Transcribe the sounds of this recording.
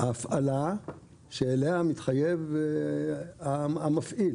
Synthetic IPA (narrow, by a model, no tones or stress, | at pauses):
aːfʔala | ʃeːleamit̪χajev | aamafʔil